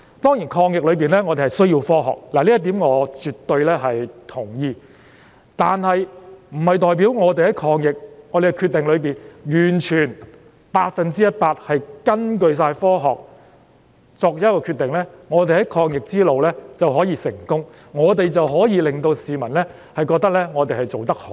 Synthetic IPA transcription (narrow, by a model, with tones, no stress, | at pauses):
t̪ɔː˥ŋji˨˩nkʰɔː˧ŋjɪ˨k̚lɵ˨˧ɥpiː˨nlɛː˥ŋɔː˨˧e˨hɐ˨˩jsɵ˥ɥjiː˧wfɔː˥ɦɔ̰ː˨˩k̚laː˨˩liː˥ɐ˥t̪iː˨˥mŋɔː˨˧t͡ʃyː˨t̪ːɵ˧ɥlɛː˥ɦɐ˨jt̪ʰʊ˨˩ŋjiː˧ | t̪aː˨nhɐ˨jm̩˨˩hɐ˨jt̪ɔː˨jp̬iː˨˥wŋɔː˨˧t̪e˨jhɐ˨˥jkʰɔː˧ŋjɪ˨k̚ŋɔː˨˧ɾe˨˩kɛ˧kʰyː˧t̪e˨ŋlɵ˨˧p̬iː˨˩njyː˨˩nt͡ʃʰyː˨˩n | paː˧t̚fɐ˨nt͡siː˥jɐ˥t̚paː˧t̚hɐ˨jkɐ˥nk̬ɵ˧ɥs̬aː˧jfɔː˥ɦɔ̰ː˨k̚ | t͡sɔː˧k̚jɐ˦˥kɔː˧kʰyː˧t̪ɪ˨ŋlɛː˥ŋɔː˨˧t̪e˨˩hɐ˨˥jkʰɔː˧ŋjɪ˨k̚t͡siː˥lo˨wlɛː˥t͡sɐ˨wɦɔː˨˥jiː˧sɪ˨˩ŋkʊ˥ŋ | ŋɔː˨˧t̪e˨jt͡sɐ˨wɦɔː˨˥jiː˨˧lɪ˨ŋt̪o˧wsiː˨mɐ˨˩nlɛː˥ | hɐ˨jkɔː˧k̚t̪ɐ˥k̚lɛː˥ŋɔː˨˧t̪e˨jhɐ˨jt͡so˨wt̪ɐ˥k̚ho˨